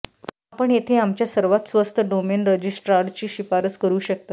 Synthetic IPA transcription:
apəɳjet̪ʰeamt͡ɕjasəɾʋat̪sʋəst̪ʰəɖomenɾəd͡ʑisʈɾaɾɖt͡ɕiːɕipaɾət͡skəɾuːɕək̚t̪a

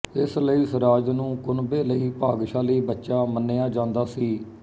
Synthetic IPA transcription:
ɪsləiːsəɾaːd͡ʒnũːkʊnbeːləiːpaːɡʃaːliːbətːʃaːmənːeːaːd͡ʒãːnd̪aːsiː

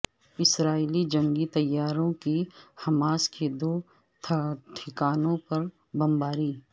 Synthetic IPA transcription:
ɪsɾaːilid͡ʒɐ̃ŋɡit̪ɐjːaːɾõkihɐmaːsked̪oː | ʈʰɪkaːnõpɐɾ | bɐ̃mbaːɾiː

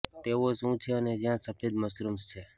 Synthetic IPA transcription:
t̪eʋosũt͡ʃʰeəned͡ʒjãsəfʰed̪məsɾumst͡ʃʰe

